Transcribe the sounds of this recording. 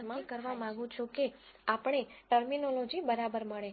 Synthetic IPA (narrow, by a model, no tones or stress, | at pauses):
mãkəɾʋamãɡũt͡ʃʰũkeapɳ̃eʈəɾminolod͡ʒibəɾabəɾməɭe